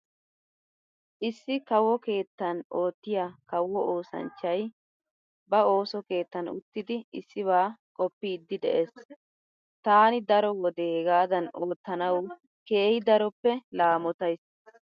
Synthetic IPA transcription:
ʔɪsːɪkɐwːɔke̞ːt̪ːɐno̞ːt̪ːɪjakɐwːɔʔoːsɐ̰nt͡ʃːɐj | bɐo̞ːsɔke̞ːt̪ːɐnʊ̰t̪ːɪd̪ɪɪsːɪβaːkʼɔpːid̪ːɪd̪ɛʔes | t̪aːnɪd̪ɐɾɔwɔd̪eːɡaːd̪ɐnoːt̪ːɐnɐw | ke̞ːhɪd̪ɐɾɔpːɛlaːmɔt̪ɐjs

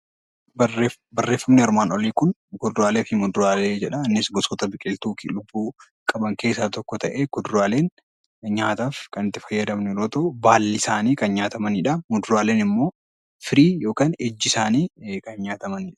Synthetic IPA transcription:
bɐre | bɐrːe̞ːfːɐmnɪɐɾmaːnɔliːkʊn | ɡʊd̪ɾaːleːfɪmʊd̪ɾaːleːd͡ʒɛᶑɐːnːɪsɡɔsɔt̪ɐbɪkʼɪlt̪uːkɪlʊbːuː | kʼɐbɐŋke̞ːsːaːt̪ɔkːɔt̪ɐʔeːɡ̥ʊd̪ɾaːle̞ːŋ | ɲaːt̪aːfkɐnɪt̪ːɪfɐjːɐd̪ɐmnɛɾoːt̪ɐʊbaːlːɪsaːniːkɐnɲaːt̪ɐmɐnɪᶑɐmʊd̪ɾaːleːnɪmːo̞ː | fɪɾiːjo̞ːkaːnɛd͡ʒːɪsaːniːkɐnɲaːt̪ɐmɐnɪᶑɐ̥

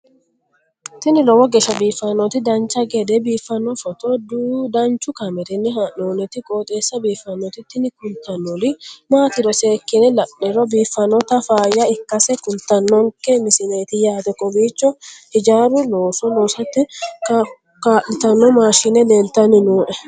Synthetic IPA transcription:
t̪ɪnɪɾɔwɔɡɛʃɐbiːfːɐnːɔt̪ɪd̪ɐnt͡ʃːɐɡɛd̪ɛbiːfːɐnːɔfɔt̪ɔd̪uːd̪ɐnt͡ʃʊkɐmɛt̪ɪnːɪhanoːnɛt̪ɪkʼoːt̪ʼeːsːɐbiːfːɐnːɔt̪ɪt̪ːɪnɪkʊlt̪ːɐnːɔlɪmaːt̪ɪɾɔseːkːɪnɛlɐʔnɛɾɔbiːfːɐnːɔt̪ɐfaːjːɐɪkːɐsɛkʊlt̪ɐnːɔŋkːɛmɪsɪne̞ːt̪ɪjaːt̪ɛkʼɔbiːt͡ʃːɔhɪd͡ʒaːɾʊloːsɔnoːsɐt̪ːɪ | kaːʔɪt̪ɐnːɔmaːʃɪnɛd̪ɛnt̪ːɐnɪnuːʔɛ

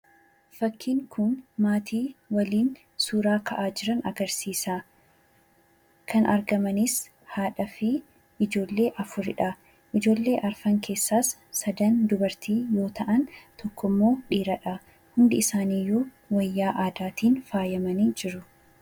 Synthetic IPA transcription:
fɐkʰːiːŋkʰʊnmaːt̪ʰiːwɐliːn | suːɾaːkɐʔaːd͡ʒɪɾɐnɐɡɐɾsiːsaː | kʰɐnʔɐ̰ɾɡɐmɐnɪs | haːᶑɐfi | ʔɪd͡ʒo̞ːlːe̞ːʔɐfʊɾɪᶑɐ | ʔɪd͡ʒo̞ːlːe̞ːʔɐɾfɐŋkʰe̞ːsːaːsːɐd̪ɐnd̪ʊbɐɾt̪iːjo̞ːt̪ʰɐʔɐnt̪ɔkːɔmːo̞ːᶑiːɾɐᶑɐ | hʊnd̪ɪɪsaːniːjuː | wɐjːaːʔaːd̪aːt̪iːnfaːjɐmɐniːd͡ʒɪɾʊ

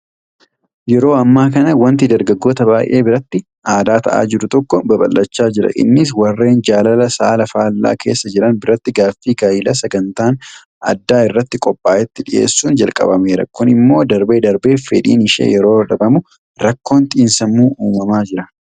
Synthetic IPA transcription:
jɛɾo̞ːɐmːaːkɐnɐwɐnt̪ɪd̪ɐɾɡɐɡːo̞ːt̪ɐbaːjʔe̞ːbɪɾɐt̪ːɪ | ʔaːd̪aːt̪ɐ̰ʔa̰ːd͡ʒɪɾʊt̪ɔkːɔbɐbɐ̰lːɐt͡ʃːaːd͡ʒɪɾɐ̰ʔɪ̰nːɪs̬wɐrːe̞ːnd͡ʒaːlɐlɐsaːlɐfaːlːa̰ːkʰe̞̰ːsːɐd͡ʒɪɾɐnbɪɾɐt̪ːɪɡaːfːiːɡaːjɪlɐsɐɡɐnt̪aːn | ʔɐ̰d̪ːaːɪrːɐt̪ːɪkʼɔpʼːaːʔɛt̪ːɪᶑɪʔe̞̰ːsːuːnd͡ʒɐlkʼɐ̰bɐmeːɾɐ̰kʊnɪmːo̞ːd̪ɐɾbe̞ːd̪ɐɾbe̞ːfɛᶑḭːnɪʃḛːjɛɾo̞ːᶑɐbɐmʊ | ɾɐkːo̞ːnt̪ʼiːnsɐmːuːʔuːmɐmaːd͡ʒɪɾɐ

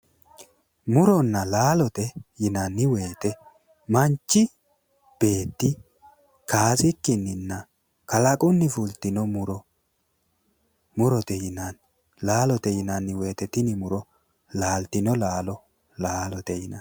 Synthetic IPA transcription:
mʊɾɔnːɐlaːlɔt̪ɛjɪnɐnːɪwe̞ːt̪ɛ | mɐnt͡ʃːɪ | b̥e̞ːt̪ːɪ | kaːsɪkːɪnːɪnːɐ | kɐlɐkʼʊnːɪfʊlt̪ɪnɔmʊɾɔ | mʊɾɔt̪ɛjɪnɐn | laːlɔt̪ɛjɪnɐnːɪwe̞ːt̪ɛt̪ɪnɪmʊɾɔ | laːlt̪ɪnɔlaːlɔ | laːlɔt̪ɛjɪnɐ̰

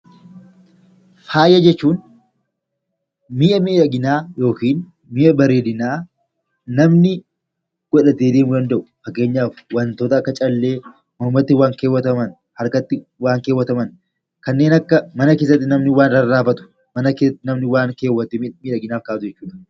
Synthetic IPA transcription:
faːjɐd͡ʒɛt͡ʃːuːn | miːʔɐmiːᶑɐɡɪnaːjo̞ːkiːn | miːʔɐbɐɾe̞ːd̪ɪnaː | nɐmnɪ | ɡ̥ɔᶑɐt̪eːd̪eːmʊd̪ɐnd̪ɐʔʊ̥fɐkːe̞ːɲːaːfwɐnt̪oːt̪ɐːkːɐt͡ʃʼɐlːe̞ː | mʊmɐt̪ːɪwaːŋke̞ːwːɐt̪ɐmɐn | hɐɾkɐt̪ːɪ | waːŋkeːwːɐt̪ɐmɐn | kɐnːe̞ːnɐkːɐmɐnɐkeːs̬ɐt̪̬ːɪnɐmnɪwaːnɾɐrːaːfɐt̪ʊ̥ | mɐnɐkeɐt̪ːɪnɐmnɪwaːŋkeːwːɐt̪ːɪmiːᶑɐɡɪnaːfkaːt̪ʊd͡ʒɛt͡ʃːuːᶑɐ̥

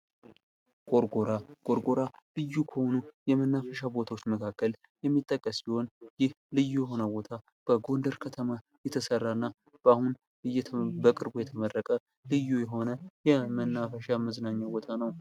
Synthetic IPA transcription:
ɡ̥ʼo̞ɾɡoɾaɡ̥ʼo̞ɾɡo̞ɾalɨjːukʰəhonujɛmənːafəʃabo̞t̪ʰawot͡ʃːməkʰakːəl | jɛmːit̪ʼːəkʼːəsbiho̞njɪh | lɨjːujɛɦo̞nəbo̞t̪ʰa | b̥əɡo̞nd̪əɾkʰət̪ʰəma | jɛt̪ʰəsərːaɨnːa | b̥ahun | ɨjːɛbəkʼɨɾbujɛt̪ʰəmərːəkʼə | lɨjːujɛɦo̞nəjɛmənːafəʃaməznaɲːawbo̞t̪ʰanəw

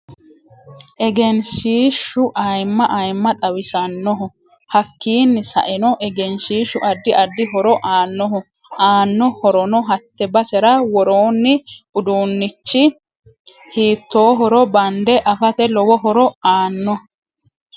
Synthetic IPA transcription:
ʔɛɡɛnsiːʃːʊʔɐjmːɐʔɐjmːɐt̪ʼɐwɪsɐnːɔɦʊ | hɐkːiːnːɪsɐ̰ʔɛnɔʔɛɡɛnsiːʃʊʔɐd̪ːɪʔɐd̪ːɪɦɔɾɔʔaːnːɔɦʊ | aːnːɔhɔɾɔnɔɦɐt̪ːɛbɐsɛɾɐwɔɾoːnːɪʊd̪uːnːɪt͡ʃːɪ | hiːt̪ːoːɦɔɾɔbɐnd̪ɛʔɐfɐt̪ɛlɔwɔɦɔɾɔaːnːɔ

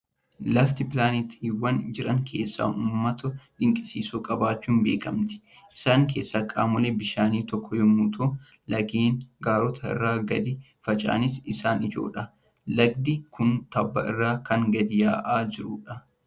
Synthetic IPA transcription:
lɐft̪ɪpɪlaːnɪt̪iːwːɐnd͡ʒɪɾɐŋkʰe̞̰ːsːa̰ːuːmːɐt̪ʊᶑɪŋkʼɪsiːsuːkʼɐbaːt͡ʃːuːnbe̞ːkɐmt̪ɪ̥ | ʔɪsaːŋk̬e̞ːsːɐkʼaːmʊlebɪʃaːniːt̪ɔkʰːɔjɔmːuːt̪ʰo | lɐɡeːnɡaːɾɔt̪ʰɐɪ̰rːaːɡɐd̪ɪ | fɐt͡ʃʼa̰ːnɪsɪsaːnɪd͡ʒo̞̰ːᶑɐ | lɐɡ̚d̪ɪkʰʊnt̪ɐbːɐɪ̰rːaːkɐŋɡɐd̪ɪjaːʔaːd͡ʒɪɾʊᶑɐ

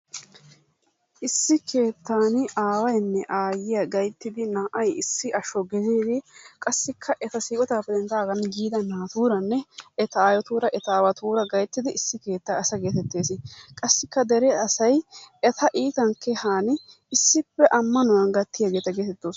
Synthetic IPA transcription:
ʔɪsːɪkʰe̞ːt̪ːaːnɪaːwɐjnːɛʔaːjɪjɐɡɐjt̪ːɪd̪ɪnaːʔɐjɪsːɪʔɐʃɔɡɛzeːd̪ɪkʼɐsːɪkʰːɐʔɛt̪ɐsiːkʼɔt̪aːpːɛd̪ɛnt̪aːɡɐnɡiːd̪ɐnaːt̪uːɾɐnːɛɛt̪ɐaːjɔt̪uːɾɐʔɛt̪aːwɐt̪uːɾɐɡɐjt̪ːɪd̪ɪɪsːɪke̞ːt̪ːaɐsɐɡe̞ːt̪ɛt̪ːe̞ːsɪkʼɐsːɪkːɐd̪ɛɾɛɐsɐjɛt̪ʰɐʔiːt̪ɐŋkʰːɛhaːnɪ | ɪsːɪpːɛʔɐmːɐnʊwɐnɡɐt̪ːɪjɐɡe̞ːt̪ɐɡeːt̪ɛt̪ːoːs

